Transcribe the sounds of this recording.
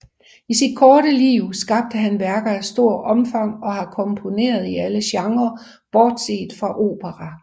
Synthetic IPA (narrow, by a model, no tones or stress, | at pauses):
isid̥̚kʰɒːɾəliːʊ̰sɡ̥ɑ̈b̥̚d̥əɦænʋæɐɡ̥ɐæsd̥o̝ɐ̰ʔɒ̽mfɑ̈ŋ̰ɒ̽hɑ̈kʰɒ̽mpʰo̝ne̝̰ːɐð̞ˠiæləɕɑ̈ŋɐ | b̥ɒːd̥se̝̰ːd̥fʁɑ̈ʔo̝̰ːb̥əʁæ